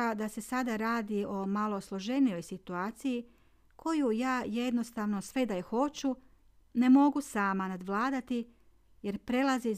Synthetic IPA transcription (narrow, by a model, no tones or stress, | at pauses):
ad̪ase̞sad̪aɾaːd̪io̞malˠo̞slˠo̞ʒe̞nijo̞jsit̪uaːt̪siji | kʰo̞jujaːje̞d̪no̞st̪aʋno̞sʋe̞d̪ajexo̞t͡ɕu | ne̞mo̞ɡusaːmanad̪ʋlˠaːd̪at̪i | je̞ɾpɾe̞lazi